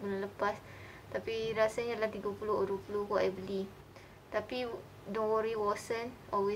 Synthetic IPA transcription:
bəlaləpas | t̪apiɾasaɲadalaht̪iɡapulʊoɾupulukaʔajbəli | t̪api | dɔ̃nwɔɾiwɔsən | ɔlwe

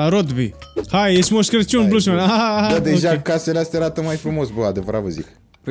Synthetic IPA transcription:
aɾod̪bihajeʃmoʃkɾet͡ʃonbluʃmenaɦaaad̪ad̪eʒakaselast̪aɾat̪əmajfɾumo̞sbəad̪evəɾa̰t̪vəzḭk

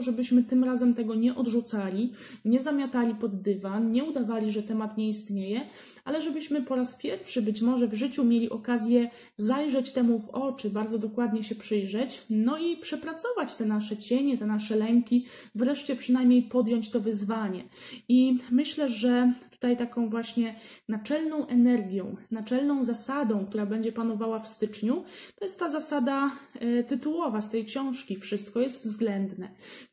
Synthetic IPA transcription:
ʐɛbɘɕmɘt̪ɘmɾazɛmt̪ɛɡɔɲɛʔɔd̪ʐut̪salʲi | ɲɛzamʲjat̪alʲipɔd̪ːɘvanɲɛud̪avalʲiʐɛt̪ɛmat̪ɲɛist̪ɲejɛ | ʔalɛʐɛbɘɕmɘpɔɾaspʲjɛɾfʂɘbɘt͡ɕmɔʐɛvʐɘt͡ɕumʲjelʲiʔɔkazʲjɛ | zajʐɛt͡ɕt̪ɛmuvɔt͡ʂɘbaɾd̪zɔd̪ɔkwad̪ɲɛɕɛpʂɘjʐɛt͡ɕnɔipʂɛpɾat̪sɔvat͡ɕt̪ɛnaʂɛt͡ɕɛɲɛt̪ɛnaʂɛlɛŋkʲi | vɾɛʂt͡ɕɛpʂɘnajmʲɲejpɔd̪jɔɲt͡ɕt̪ɔvɘzvaɲɛ̰imɘɕlɛʐɛt̪u̥t̪ajt̪akɔ̃w̃vwaɕɲɛnat͡ʂɛlnɔ̃w̃ʔɛnɛɾɡʲjɔ̃w̃nat͡ʂɛlnɔ̃w̃zasad̪ɔ̃w̃kt̪uɾabɛɲd͡ʑɛpanɔvawafst̪ɘt͡ʂɲut̪ɔjɛst̪ːazasad̪at̪ɘt̪uwɔvast̪ɛjkɕɔ̃w̃ʂkʲifʂɘst̪kɔjɛst̪vzɡlɛnd̪nɛ

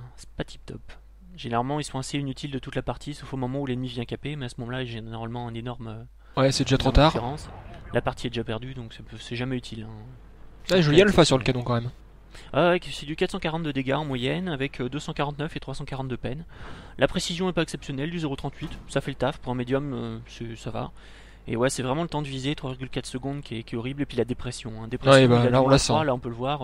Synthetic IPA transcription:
sɛ̥pat̪ʰi̥p̚t̪ʰɔ̰p | ʒeneʁalmɑ̃ilsɔ̃aseinyt̪ʰild̪ət̪ut̪lapaʁt̪ʰisofomɔmɑ̃ulɛnmivjɛ̃kapemɛasəmɔmɑ̃laiʒɛnɔʁmalmɑ̃ɛ̃nenɔʁmø | wɛsɛd̪eʒat̪χot̪aʁeʁɑ̃slapaʁt̪ʰiɛd̪eʒapɛʁd̪yd̪ɔ̃ksɛpsɛʒamɛyt̪ʰilɛ̃ | aʒəljɛ̃ləfasyʁləkanɔ̃kɑ̃mɛm | asɛd̪ykat̪χsɑ̃kaʁɑ̃t̪d̪əd̪eɡʲaɑ̃mwajɛnavɛkʰød̪øsɑ̃kaʁɑ̃t̪nœfet̪χwasɑ̃kaʁɑ̃t̪̚d̪əpɛn | lʔapχesizjɔ̃ɛpaɛksɛpsjɔnɛld̪yzeʁot̪χɑ̃t̪ʰɥit̪safɛlət̪afpuʁɛ̃med̪jɔmøsɛsava̰ | ḛwɛsɛvʁɛmɑ̃lət̪ɑ̃d̪əvizet̪χwavʲiʁɡʲylkat̪χsəɡɔ̃d̪kʲiɛkʲjɛɔʁiblepɥilad̪epχɛsjɔ̃ɛ̃d̪epχewsbaalaɔ̃laswalaɔ̃pøləvwaʁ

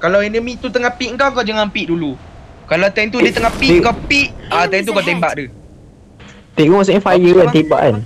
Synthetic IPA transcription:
kalawɛnəmĩt̪ut̪əŋapiʔəŋkawkawd͡ʒaŋampiʔdulukalawt̪ajnt̪̬udit̪əŋapiʔŋkawpiʔat̪ajnt̪̬ukawt̪̬ɛmbaʔdu | t̪eʔ̚ɡɔ̃wɔsẽnfajjəɛ̃nt̪ek̚ba̰ʔa̰n

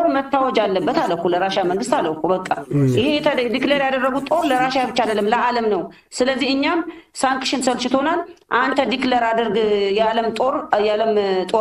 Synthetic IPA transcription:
ɾmət̪ːawɔd͡ʒalːəbːət̪alːəkːuləɾaʃaməŋɡɨst̪alːəkubəkʼːa̰jɪhejɛd̪ikləɾjad̪ərːəɡut̪ʼo̞ɾləɾaʃaabɨt͡ʃːaləlːəmləʔaləmnəw | sɨləzːihɨɲːamsaŋkʃɪnsəlt͡ʃɪt̪ʰo̞nalʔant̪ʰəd̪ikləɾad̪ɨɾɡjaləmt̪ʼoɾjaləmt̪ʼo

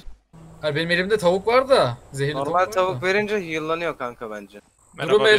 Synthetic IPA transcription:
haɾbe̞nimelʲimd̪ɛt̪ʰavukvaɾd̪azeɦilnoɾmalʲt̪ʰavuve̞ɾind͡ʒɛjujɯlˠːanɯjokʰaŋkʰabænd͡ʒɛ | d̪uɾɾume

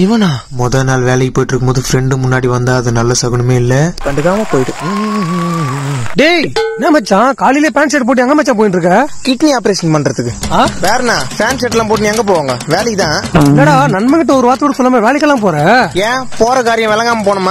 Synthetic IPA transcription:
ɪʋɐ̃nãːmɔðɐnaːlʋeːlɐjipoːjɪʈːɪɾɯkːɯmboːðɯfɾɛɳɖɯmʊnːaːɽiʋɐnd̪aːɐðɯnɐlːɐsɐɣɐɳɯmeːɪlːɐkɐɳɖɯkːaːmɐpoːjʈɯ | ɖenãːmɐt͡ʃːãːkaːlileːpaːnsɛʈ̚p̬oːʈ̬ijaɐŋɡɐmɛt͡ʃːãpoːjɪnʈɾɯkːɐkɪʈniaːpɐɾeːʂɐnpɐɳɖɾɐt̪ːɯkːɯaːʋeːɾɐnãːpaːnsɛʈːlãːpoːʈ̬iniɛŋɡɐp̬oːʋaːŋɡɐʋeːlɐkːɯt̪ãːlɐɽaːnɐnmɐŋɡɪʈ̬ːɐɔɾɯʋaːɾt̪ɯkːɽsɔlːɐmeːʋeːlɐk̬ːɐlːãːp̬oːɾãːɐjẽːpoːɾɐkaːɾɪjɐ̃ʋɛlɐ̃ŋɡaːmɐpoːɳɐmːãː

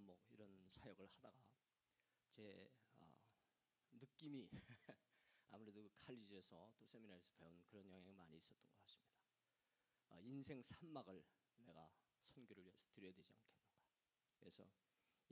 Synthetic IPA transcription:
mʌiɾʌnsʰajʌɡɯɭhadaɡa | t͡ɕe̞ʌ̰ | nɯk͈imi | a̰muɾe̞dokɯkʰaʎːid͡ʑiesʰʌt͈osʰe̞minaɾisʰɯ̥pe̞unkɯɾʌnjʌŋɦaŋmaɲiːs͈ʌt͈ʌnɡʌk͈as͈ɯ̥mɲid̥a | ʌinsʰe̞ŋsʰanmaɡɯɭ | ne̞ɡa̰ | sʰonɡjoɾɯɭesʰʌ̥tɯɾjʌjadwe̞d͡ʑia̰nkʰe̞nːɯnɡ̥a | kɯɾesʰʌ̰

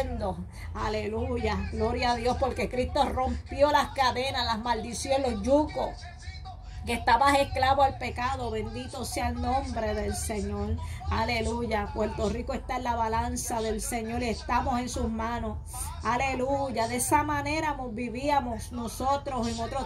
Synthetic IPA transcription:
nd̪o | ale̞luʝaɣlo̞ɾjaːðjo̞spo̞ɾke̞kɾist̪o̞ro̞mpjo̞lahkaðe̞nahlazmald̪isjoelo̞hd͡ʒukos | kest̪aβahe̞hklaβoalpe̞kaðo̞βe̞nd̪it̪o̞sealnõ̞mbɾe̞ðe̞lse̞ɲo̞ɾale̞luʝapwe̞ɾt̪o̞rikoe̞st̪aenlaβalansaðe̞lse̞ɲo̞ɾie̞st̪amo̞se̞nsusmãno̞s | ale̞luʝaðesamãne̞ɾamo̞zbiβiamo̞sno̞so̞t̪ɾo̞seŋot̪ɾo

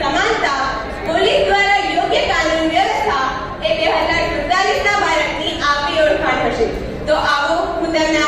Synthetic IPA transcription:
əmad͡ʒt̪a | polisd̪ʋaɾajoɡjəkalunʋəst̪ʰa | ebeɦəd͡zaɾsətaɾisnabʱaɾəʈniʔaioɽkʰanɦəʃe | t̪oʔaʋõkut̪əna

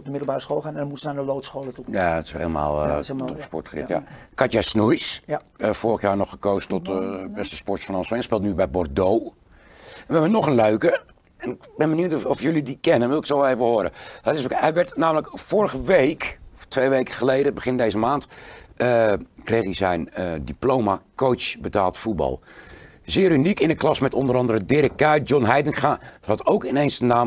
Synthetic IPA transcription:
ɔdəmɪdl̩ˠbaːrəsxoːlˠxannɔmutsənadəlowtsxoːlətujatɪ̥shḛːlˠma̰ːlˠtɔspɔtxrɪ̰tja̰kʰatjɛsnujs | foːrəxjaːnɔxəkoːzətɔtbɛstə̥spɔrtsfnɔnsfɛnspeːlˠtnybɛjbɔrdow | ɛnʋɛʋənɔxənløɥkə | ɛnɪkbɛnbənuwtɔfjølidikɛnənʋɪlˠɪksoeːvəhoəɾədɔtɪsɛjʋɛrtnaːmələkfʊːrəɣəʋejkɔftʋejʋejkəχəlejdəbəχɪndejzəmaːntəkrejxizɛjnədiplowmakowt͡ʃbətaːlˠtfut̚bɑ̰lˠ | zɪːɾynikɪnəklɑsmɛtɔndəɾɑndəɾədɪɾək̚kœjɔnɦɛjdənχahɑtowkɪnejnsənaːm

